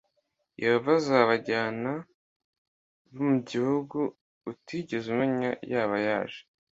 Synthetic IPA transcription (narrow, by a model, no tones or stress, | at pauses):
jeɾuvazaβaɟaːna | βumuɟihuɡuː | tiːɟezumaɲa̰jaːβajaːʒe̥